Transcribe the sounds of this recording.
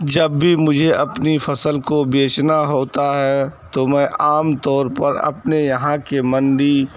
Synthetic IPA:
d͡ʒɐbːimʊd͡ʒʱeɐpnifʰɐsəlkobeːt͡ʃnaɦoːt̪aɦɛt̪omɛ̃ːʔaːmt̪ɔːɾpɐɾɐ̰pnejɐɦãkemɐ̃nɖi

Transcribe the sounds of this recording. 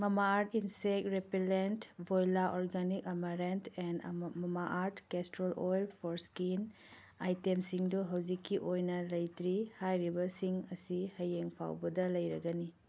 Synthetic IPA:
mɐmaːɾtinsek̚tɾepilentbʱojlaʔɔɾɡanikɐmɐɾentʰend̰mɐmaʔaɾtkestɾolojlpʰoɾskin | ajtemsiŋduɦɐwzikʰːiʔojnɐlɐjtɾihajɾibɐsiŋɐsihɐjeŋpʰa̰wbɐdɐlɐjɾɐɡɐni

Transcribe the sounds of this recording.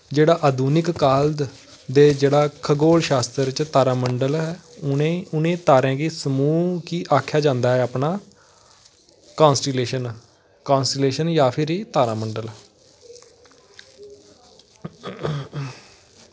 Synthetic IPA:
d͡ʒeːɽaːʔəd̪uːnɪkːaːld̪ | d̪eːd͡ʒeːɽaːkʰəɡoːlʃaːst̪ɾɾt͡ʃt̪aːɾãːməɳɖəlɦɛːeʊnẽːt̪aːɾɛ̃ːɡeːsəmuːkiːʔaːkʰjaːd͡ʒãːnd̪aːɦɛːaːpnaː | kãːnsʈileːʃən | kaːnsʈəleːʃənjaːpʰɪɾiːt̪aːɾaːməɳɖəl

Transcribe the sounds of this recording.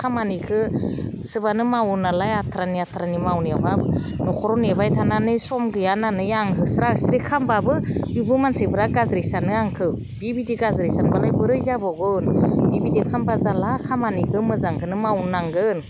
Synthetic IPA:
kʰamanikʰɯ | sɯbanɯmawnalajatʰaɾaniatʰaɾanimawniabab | nɔkʰɔɾɔnabajtʰananɯsɔmɡɯjananɯjaŋɦɯsɾasɾekʰambabɯbibumansebʰɯɾaɡazɾesanɯaŋkʰɯ | bibidiɡazɾesanbalajbɯɾɯjzabɔɡɯnbibidikʰambazalakʰamanikʰɯmɯzaŋkʰɯnɯmawnaŋɡɯn

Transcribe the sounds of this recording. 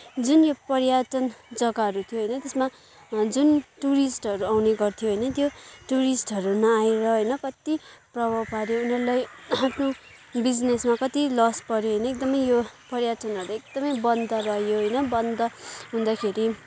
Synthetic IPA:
d͡zunjopʌrjaʈʌnd͡zʌɡaɦʌɾut̪ʰijoɦʌjnʌt̪esma | d͡zunʈuɾisʈʌɾuawneɡʌrt̪ʰijoɦʌjnʌt̪joʈuɾisʈɦʌɾunʌaeɾʌɦʌjnʌkʌt̪iprʌbʱʌpaɾjounʌɾulajapʰno | bid͡znesmakʌt̪ilʌspʌɾjoɦʌjnʌek̚d̪ʌmʌjjopʌɾjatʌnɦʌɾeek̚d̪ʌmʌjbʌnd̪ʌrʌɦjoɦʌjnʌbʌnd̪ʌɦũnd̪akʰeɾi

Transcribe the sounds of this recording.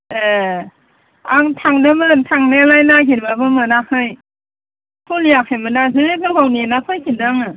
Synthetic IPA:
e | aŋtʰaŋdɯmɯntʰaŋnalajnakʰiɾbabɯmɯnakʰɯj | pʰulijakʰemɯnazɯɾebɯɡawninapʰɯjkʰindaŋɯ

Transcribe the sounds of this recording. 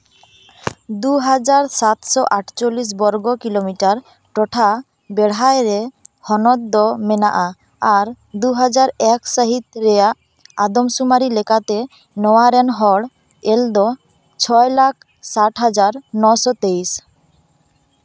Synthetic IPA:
d̪uɦad͡ʑaɾsat̪sɔʔaʈʰt͡ɕolːis̬bɔɾɡɔkilomiʈaɾ | ʈɔʈʰa | bɛɽɦaeɾehɔnɔd̪ːɔmenaʔaː | ɾ | d̪uɦad͡ʑaɾɛksaɦit̪ɾejaʔ | ad̪omsumaɾilekat̪e | nɔwaɾɛnɦɔɽ | eld̪ɔ | t͡ɕʰɔelak̚ʰ | saʈʰɦad͡ʑaɾnɔsɔt̪ejs

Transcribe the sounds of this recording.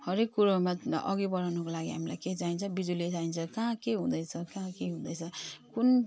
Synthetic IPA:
hʌɾekːuɾamaʌ̰ɡibʌɾawnʌkolaɡiɦa̰mila̰jked͡zaint͡sʰʌbid͡zuled͡zaint͡sʰʌkãkeɦũd̪ʌt͡sʰʌkãkeɦũd̪ʌjt͡sʰʌkun

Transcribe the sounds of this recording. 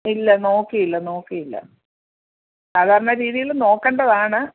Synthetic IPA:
ilːɐno̞ːkːijilːɐno̞ːkːijilːɐ̰ | saːd̪ʱaːɾɐnnːɐɾiːðijilno̞ːkːeːɳɖɐðaːɳɨ

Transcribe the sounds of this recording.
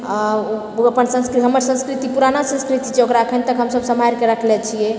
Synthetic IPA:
əpənsə̃nsɾɦəməɾsə̃nskɾit̪ipuɾanasə̃skɾit̪it͡ʃʰɛokɾaəkʰənt̪əkɦəmsəbsəmajɾkeɾəkʰlet͡ʃʰijɛ

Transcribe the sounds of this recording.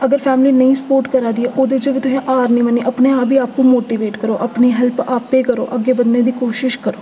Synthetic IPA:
əɡəɾpʰɛːmliːnəĩːsə̥poːɾʈkəɾaːd̪iɛːʔoːd̪eːd͡ʒeːʋɪt̪ʊsẽːʔaːɾnə̃ĩːmənːiːʔəpneːaːbiːaːpːũːmoːʈiːʋeːʈkəɾoːʔəpneːɦɛlpaːpeːkəɾo̰ːʔəɡːeːbənd̪ẽːd̪ikoːʃɪʃkəɾoː

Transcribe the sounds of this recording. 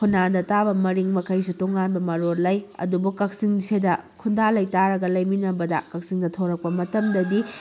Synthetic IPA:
kʰunːadɐtabɐmɐɾiŋmɐkɐjsutoŋanbɐmɐɾoɾlɐjɐ̰dubukɐk̚siŋsʰedɐkʰundalɐjtaɾɐɡɐlɐjminɐbɐdɐ̰kɐk̚siŋdɐtʰoɾɐk̚pɐmɐtɐmdɐdi

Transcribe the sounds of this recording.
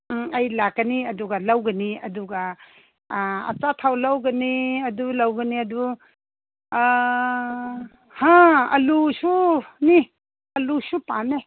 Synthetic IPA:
ɐjlakːɐniɐduɡɐlawɡɐniɐduɡa | ɐ̰t͡ʃatʰawlawɡɐniɐdulawɡɐniɐdu | haɐ̰lusuni | ɐlusupane

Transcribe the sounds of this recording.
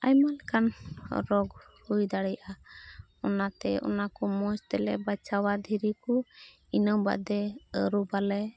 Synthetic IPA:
a̰jmalkanɾɔɡ | hujd̪aɽɛjʔa | ɔnat̪ɛɔ̰nakɔmɔst̪ɛlɛ̰bat͡ʃawad̪ʱiɾiku | inəwba̰ʔd̪ɛəɾubalɛ

